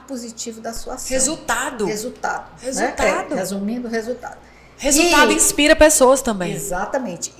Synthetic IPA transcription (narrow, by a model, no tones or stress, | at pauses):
pozit͡ʃivʊd̪ɐsuɐshezut̪ad̪ʊhezut̪ad̪ʊhezuɛt̪ad̪ʊezumĩd̪ʊhezut̪a̰d̪ʊ | hezut̪ad̪ʊĩspiɾɐpesoɐst̪ɐ̃mbẽj̃zat̪ɐmẽt͡ʃɪ